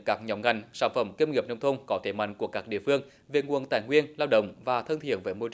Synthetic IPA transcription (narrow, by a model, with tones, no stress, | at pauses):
kaː˦˥k̚ɲɔ˨˩wŋ͡mŋa˨˩jŋ̟saː˧˩nfə˧˩mke˧nŋi˨˩p̚nə˧wŋ͡mt̪ʰə˧ŋ͡mkɔ˨˦t̪ʰe˧˩ma̰˧˨jŋ̟ku˧˩əkaː˦˥k̚ɗḭ˧˨əfɨ˧əŋ | ve˨˩ŋu˨ənt̪aː˧˨˩jŋwi˧ənlaː˧wɗə̰˧˨wŋ͡mvaː˨˩t̪ʰə˧nt̪ʰḭ˧˨ənvəː˨˦jmo˧t͡ɕ